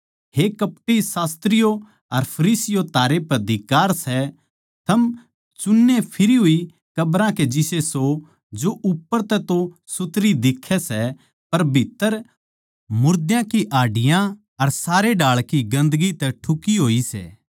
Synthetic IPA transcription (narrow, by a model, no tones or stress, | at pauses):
ɦekɐp̚ʈisaːst̪ɾɪjo | ɐɾpʰɐɾiːsɪjot̪aːɾepɐɾd̪ʱɪkaːɾsɛ | t̪ʰɐm | t͡ʃʊnːepʰɪɾiɦʊi | kɐbɾãked͡ʒɪseso | d͡ʒoʔʊpːəɾt̪ɛt̪o | sʊt̪ɾid̪ɪkʰːɛsɛ | pɐɾbʱɪt̪ːəɾ | mʊɾd̪jãkiʔaːɖɪjã | ɐɾsaːɾeɖaːɭkiɡɐ̃nd̪əɡit̪ɛʈʰʊkiɦoːisɛ̰ː